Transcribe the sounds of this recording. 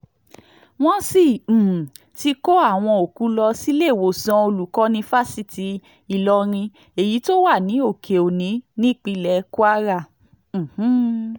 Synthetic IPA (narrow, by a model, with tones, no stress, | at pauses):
w̃ɔ̃˦sĩ˦˨ | ti˧ko˦a˦˨w̃ɔ̃˧o˨ku˨˦lɔ˧si˦le˦˨wo˨sã˧o˧lu˨kɔ̃˨˦nĩ˧fa˦si˦˨ti˨˧˦ | i˨lɔ˧ɾ̃ĩ˧ | e˨ji˨˦to˦wa˦˨nĩ˨˦o˦˨kʰe˨o˨nĩ˨˦nĩ˦˨k͡pi˧lɛ˧˦ku˦a˦ɾa˦˨ | h̩˦